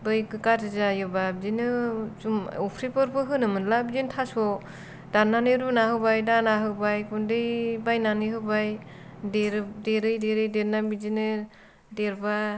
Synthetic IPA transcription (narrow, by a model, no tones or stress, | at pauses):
bɯjkɯkatɯzajɯbabizinɯzumupʰɾipɯɾpɯɦɯnɯmɯnlabizintʰasɔ | d̥ananɯɾunahɯwbajdanaɦɯwbajkundɯjbajnanɯɦɯwbaj | deɾdeɾɯjdeɾɯjdeɾnabizinɯ | deɾba